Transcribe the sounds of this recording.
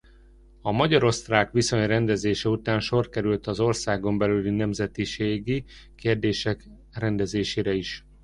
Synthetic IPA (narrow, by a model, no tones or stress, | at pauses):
ɒmɒɟɒɾo̞st̪raːkʋiso̞ɲrɛnd̪ɛzeːʃɛut̪aːnʃo̞rkɛɾylt̪ɒzo̞rsaːɡo̞mbɛlylinɛmzɛt̪iʃeːɡikeːrd̪eːʃɛk | rɛnd̪ɛzeːʃeːɾɛiʃ